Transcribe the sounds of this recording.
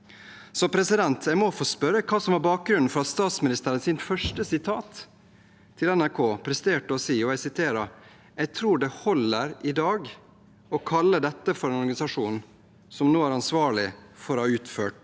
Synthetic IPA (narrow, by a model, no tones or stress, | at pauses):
sɔpʰɾɛsɪd̪ɛnt̪ʰjæɪmɔfoːspœɾːəkʰɑːsɔmhæɾbɑːk̚ɡɾʉnn̩fɔɾɑt̪st̪ɑːt̪smɪnɪst̪əɾənsɪnfœʂʈəsɪt̪ʰɑːt̪ʰː | ɪlɛnæɾkʰoːpʰɾɛst̪eːʈəɔsiːɔæɪsɪt̪ʰeːɾɑ | ɛɪt̪ʰɾuːɖɛhɔlːəɾʔɪd̪ɑːɡ | ɔkʰɑlːəd̪ɛt̪ːəfɔɾɛnɔɾɡɑnɪsɑʂuːn | sɔmnoːæɾɑnsʋɑːɭɪfɔɾhɑːʉːt̪føːʈ